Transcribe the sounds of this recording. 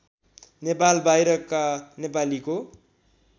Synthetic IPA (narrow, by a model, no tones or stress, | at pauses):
nepalbajɾʌkːanepaliko